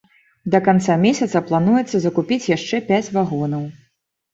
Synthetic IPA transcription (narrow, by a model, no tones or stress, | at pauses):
d̪ɐkant̪samʲesʲɐt̪sɐplˠan̪ujɛt̪sɐzɐkupʲit͡sʲjaʂt͡ʂɛpʲæt͡sʲvaɣɔnɐw